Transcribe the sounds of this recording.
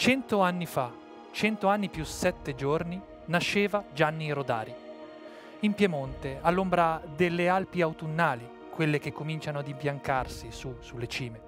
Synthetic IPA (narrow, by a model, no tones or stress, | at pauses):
t͡ʃɛnt̪oanːifa | t͡ʃɛnt̪oanːipjusɛt̪ːed͡ʒorni | naʃːeːvad͡ʒanːiɾod̪a̰ːɾi | impjɛmont̪ealːombɾad̪elːealpiawt̪unːaːli | kwelːek̟ekːomint͡ʃanoad̪impjaŋkarsisusulːet͡ʃiːme